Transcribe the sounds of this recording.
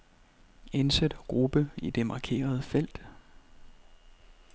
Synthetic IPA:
ensed̥ɡ̥ʁub̥əid̥e̝mɑ̈kʰe̝̰ːɐð̞ˠfel̰d̥

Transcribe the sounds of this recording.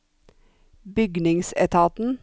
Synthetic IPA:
bʏɡnɪŋsɛ̰t̪ʰɑːt̪n̩

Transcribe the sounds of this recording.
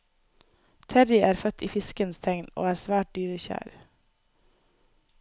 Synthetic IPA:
t̪ʰɛɾɪʔæːɾfœt̪ʰiːfɪskənst̪ʰɛŋno̰ːæːɾsʋæːʈ̚d̪yːɾəçæ̰ːɾ

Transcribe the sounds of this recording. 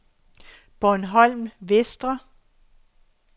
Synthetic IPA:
b̥ɒnɦɒ̽l̰mʋesd̥ʁɐ

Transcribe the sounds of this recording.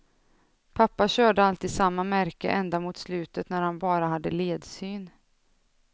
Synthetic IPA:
pʰapːaɕœːɖəalt̪iːd̪samːamæɾkə̰ʔɛnd̪amʊt̪slʉ̟ːt̪ət̪næɾhanbɑːɾaɦad̪ːəleːd̪syːn

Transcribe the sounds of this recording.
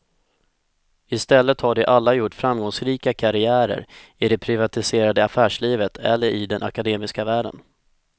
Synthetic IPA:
ɪst̪ɛlːət̪haɖɛʔalːajʊʈːfɾamɡɔŋsɾiːkakʰaɾɪæːɾə̰ɾɪd̪ɛpʰɾɪvat̪ɪseːɾad̪əafæːʂɭiːvət̪ʰɛ̰lːəɾʔɪd̪ɛnʔa̰kad̪eːmɪskavæːɖə̰n

